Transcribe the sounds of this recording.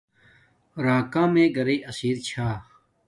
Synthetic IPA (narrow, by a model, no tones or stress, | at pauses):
ɾaːkãːmẽːɡɐɾeʔɐsiːɾt͡ɕʰaː